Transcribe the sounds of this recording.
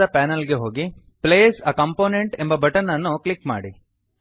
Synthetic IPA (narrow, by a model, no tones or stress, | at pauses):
ɐpaːnɐlɡe̞ɦo̞ːɡi | pleːsɐkɐmpoːneɳʈembɐbɐʈɐɾnːɐnːuklikma̰ːɽi